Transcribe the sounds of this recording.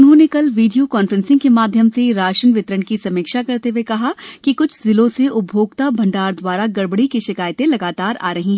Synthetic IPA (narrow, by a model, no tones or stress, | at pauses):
ʊnɦõnekɐlʋiːɖijokɔːnfɾɛ̃nsɪ̃ŋɡkemaːd̪ʱjəmseɾaːʃənʋɪt̪ɾəɳkisɐmiːkʃakɐɾt̪eʋekɐɦakikʊt͡ʃʰzɪlõseʊbʱjoːɡt̪abʱɐ̃ɳɖaːɾd̪waːɾaɡɐɽbɽikiʃɪkaːjt̪ẽlɐɡaːt̪aːɾa̰ːɾɐɦĩɦɛ